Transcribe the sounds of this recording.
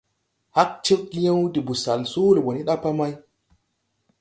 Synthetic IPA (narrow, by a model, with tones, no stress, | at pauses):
ha˦k̚t͡ʃe˦kɡi˦ja˦wdi˨bu˨sa˨lsu˦lɡo˨ni˦ɗa˦pa˦ma˦j